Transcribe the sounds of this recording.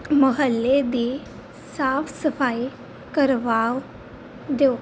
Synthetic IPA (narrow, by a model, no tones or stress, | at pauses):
məɦəlːed̪i | safsəfaj | kəɾʋaw | d̪eo